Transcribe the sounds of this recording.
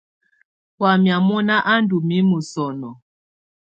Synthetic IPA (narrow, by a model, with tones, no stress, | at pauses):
wa˨mja˨mɔ˦na˦ʔa˦n˦du˨mi˦mu˨sɔ˨nɔ˨